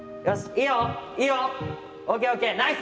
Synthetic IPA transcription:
ɔsioio | ʔokeokenaɪs

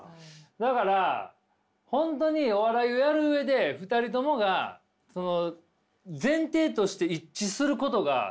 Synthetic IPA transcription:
d̪akaɾa | hõ̞nt̪o̞ɲ̟io̞βaɾaio̞jaɾɯ̟ɯe̞d̪e̞ɸɯ̟t̪aɾʲit̪o̞mo̞ɡa | so̞no̞ | zẽ̞nt̪e̞ːt̪o̞ɕi̥t̪e̞it͡ɕisɨɾɯ̟ko̞t̪o̞ɡa̰

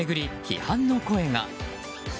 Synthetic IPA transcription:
e̞ɡɯ̟ɾʲiçḭhãnːo̞ko̞e̞ŋa̰

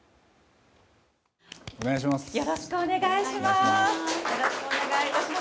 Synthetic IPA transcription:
oneaɕ̬imasjo̞ɾo̞ɕi̥kɯone̞ɡaiɕimasjoɾoɕi̥kɯoneɡait̪aɕima

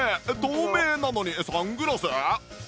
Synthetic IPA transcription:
ed̪oːmeːnano̞ɲ̟isãŋɡɯ̟ɾasɨ

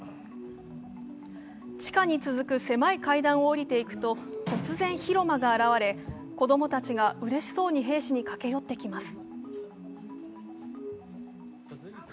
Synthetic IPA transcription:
t͡ɕi̥kaɲ̟it͡sɨzɨkɯ̟se̞maikaid̪ãɰ̃o̞ːɾʲit̪e̞ikɯ̟̥t̪o̞t̪o̞t͡sɨzẽ̞ɰ̃çiɾo̞maɡaːɾaβ̞aɾe̞ | ko̞d̪o̞mo̞t̪at͡ɕiɡaʔɯ̟ɾe̞ɕi̥so̞ːɲ̟iɦe̞ːɕiɲ̟ikake̞jo̞t̪ːe̞kʲimasɨ̥

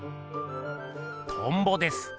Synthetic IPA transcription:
t̪ʰõmbod̪esɨ̥

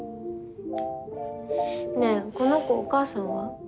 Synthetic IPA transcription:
neko̞nokoːkaːsãɰ̃βa

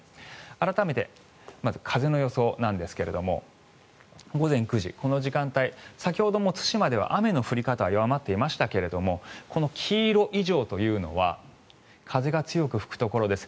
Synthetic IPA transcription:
aɾat̪ame̞t̪e̞̰ | mazɨkʰaze̞no̞jo̞so̞nãnd̪e̞sɨ̥ke̞ɾe̞d̪o̞mo̞̰ | ɡo̞zẽ̞ŋkɯ̟ʑḭko̞no̞ʑikãnt̪aisak̬ʲiho̞d̪o̞mo̞t͡sɨ̥ɕimad̪e̞β̞a̰ʔame̞no̞ɸɯ̟ɾʲikat̪aβajoβamat̪ːe̞imaɕi̥t̪ake̞ɾe̞d̪o̞mo̞kʰo̞no̞kʲʰiːɾo̞ʔiʑo̞ːt̪o̞jɯ̟ːno̞̰βa̰ | kʰaze̞ɡat͡sɨjo̞kɯ̟ɸɯ̥kɯ̟̥t̪o̞ko̞ɾo̞d̪e̞sɨ̥

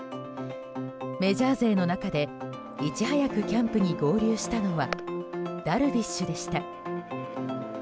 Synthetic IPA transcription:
me̞ʑaːze̞ːno̞nakad̪e̞ | it͡ɕihajakɯ̟kʲãmpɯ̟ɲ̟iɡo̞ːɾʲɨːɕi̥t̪ano̞βa | d̪̥aɾɯ̟bʲiɕːɨd̪e̞ɕi̥t̪a

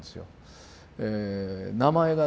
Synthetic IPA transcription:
d̪esɨjo̰ | enamae̞ɡa

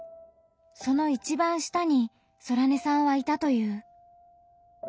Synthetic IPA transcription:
so̞no̞it͡ɕibãɰ̃ɕi̥t̪aɲ̟i | so̞ɾane̞sãɰ̃βait̪at̪o̞jɯ̟ː

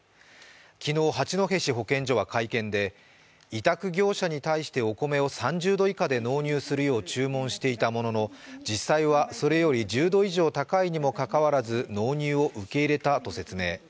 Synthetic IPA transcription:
kʲʰino̞ːɦat͡ɕino̞ɦe̞ɕiɦo̞kẽ̞ɲ̟d͡ʑo̞β̞akaikẽ̞nd̪e̞ | it̪akɯ̟ɡʲo̞ːɕaɲ̟it̪aiɕi̥t̪e̞o̞ko̞me̞o̞sãɲd͡ʑɨːd̪o̞ikad̪e̞no̞ːɲ̟ɨːsɨɾɯ̟jo̞ːt͡ɕɨːmõɰ̃ɕi̥t̪e̞it̪amo̞no̞no̞ | d͡ʑisːaiβaso̞ɾe̞jo̞ɾʲid͡ʑɨːd̪o̞iʑo̞ːt̪akaiɲ̟imo̞kakaβaɾazɨno̞ːɲ̟ɨːo̞ʔɯ̟ke̞iɾe̞t̪at̪o̞se̞t͡sɨme̞ː

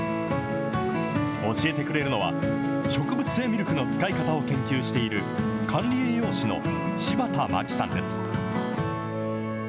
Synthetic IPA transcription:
o̞ɕie̞t̪e̞kɯ̟ɾe̞ɾɯ̟no̞β̞a̰ | ɕo̞kɯ̟bɯ̟t͡sɨ̥e̞ːmʲiɾʲokno̞t͡sɨ̥kaikat̪ao̞kẽ̞ŋkʲɨːɕi̥t̪e̞iɾɯ̟ | kʰãnɾʲiejo̞ːɕino̞̰ | ɕibat̪ama̰kʲi̥sã̰nd̪e̞sɨ̥

